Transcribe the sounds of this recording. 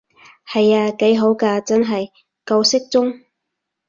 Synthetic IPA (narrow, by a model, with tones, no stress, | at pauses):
hɐ˨jaː˧ke˨˥jɦo˨˥wkaː˧t͡sɐ˥nɦɐ˨j | kɐ˧wsɪ˥k̚t͡sʊ˥ŋ